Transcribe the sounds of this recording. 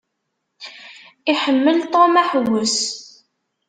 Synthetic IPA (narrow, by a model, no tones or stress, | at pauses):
iħəmːəlt̪ˤomaħwʊs